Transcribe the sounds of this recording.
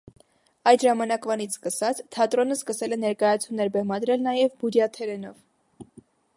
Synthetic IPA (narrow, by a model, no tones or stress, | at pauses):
ɑjd̪ʒɑmɑnɑkvɑnit͡sʰskəsɑt͡sʰt̪ʰɑt̪ɾɔnəskəsɛlɛnɛɾkɑjɑt͡sʰumːɛɾbɛmɑd̪ɾɛlnɑjɛvbud̪jɑt̪ʰɛɾɛnɔv